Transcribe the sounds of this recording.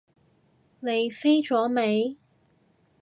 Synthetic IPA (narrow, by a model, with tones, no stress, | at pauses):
ne˨˧jfe˥jt͡ʃɔː˨˥me˨˧j